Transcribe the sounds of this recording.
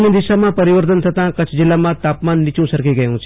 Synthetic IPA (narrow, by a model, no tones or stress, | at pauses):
nid̪iʃamãpəɾiʋəɾt̪ənt̪ʰət̪ãkət͡ʃʰd͡ʒɪlːamãt̪apmanːit͡ʃũsəɾkeɡəjũt͡ʃʰ